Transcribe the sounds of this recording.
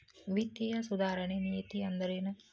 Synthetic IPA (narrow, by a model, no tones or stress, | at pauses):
ʋit̪jɐjɐsud̪aːɾɐɳenijɐt̪iɐnd̪ɐɾenɐ